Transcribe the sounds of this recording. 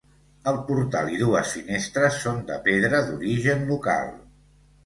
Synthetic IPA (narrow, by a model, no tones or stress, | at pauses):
əlˠpuɾt̪alˠiðuəsfinest̪ɾəsːond̪ə̰peðɾəðuɾiʒənluka̰lˠ